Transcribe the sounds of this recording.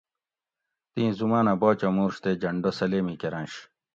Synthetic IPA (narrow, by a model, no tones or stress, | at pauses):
t̪ĩːzumaːnɐboːt͡ɕɐmuːɾɕt̪ed͡ʑɐɳɖosɐleːmikeɾãːnɕ